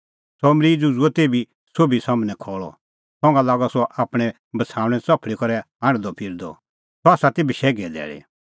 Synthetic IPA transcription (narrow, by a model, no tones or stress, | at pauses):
sɔmɾid͡zud͡ʒuɛt̪eːbi | soːbisamnɛkʰɔːɭɔ̰ | sɔ̃ŋɡalaːɡɔsɔʔaːpɽ̃ɛ̃ | bɐt͡sʰaːʊ̃ɽ̃ɛ̃t͡sɔpʰɭikɔɾɛ | aɽ̃d̪ɔpʰɪɾd̪ɔ̰ | sɔaːsat̪eːbiʃɛːɡɛd̪ɛ̰ːɭḛ